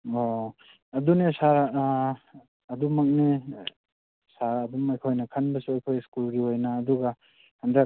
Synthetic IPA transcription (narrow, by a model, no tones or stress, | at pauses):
o | ɐdunisaɾ | ɐdumak̚ni | saɾɐdumajkʰojnɐkʰanbɐsuajkʰojskulɡiojnaːduɡa | handa